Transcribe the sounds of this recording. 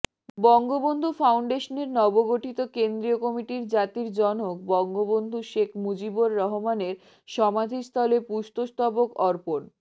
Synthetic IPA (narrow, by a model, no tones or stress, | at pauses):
bɔŋɡobond̪ʱufawɳɖeʃoneɾnɔboɡoʈʰit̪okend̪ɾiokɔmiʈiɾd͡ʑat̪iɾd͡ʑɔnok̚bɔŋɡobond̪ʱuʃekʰmud͡ʑiboɾːɔɦomaneɾ | ʃɔmad̪ʱist̪ʰɔlepust̪ost̪ɔbokɔɾpoʈ